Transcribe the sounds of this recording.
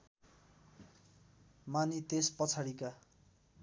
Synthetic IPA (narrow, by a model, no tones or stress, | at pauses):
manit̪espʌt͡sʰaɽika